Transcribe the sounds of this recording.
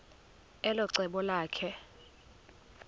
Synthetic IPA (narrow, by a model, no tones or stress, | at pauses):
ɛlɔǀɛɓɔlaːkʰɛ